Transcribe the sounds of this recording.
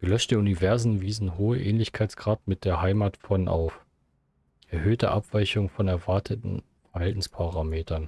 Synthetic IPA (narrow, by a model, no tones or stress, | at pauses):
ɡ̥əlœʃtdeunivɛɐzomviːzn̩ɦoːəʔɛ̰ːnlɪçkʰaɪt͡sɡ̥ʁaːtmɪt̚d̥eːɐɦaɪmaːtfɔnʔa̰ʊf | ʔɛɐhøːtə̰ʔapv̥aɪçʊŋfɔnɛɐvaɐtʰətn̩ | fɛɐɦaltn̩spʰaʁaːmeːtʰɐn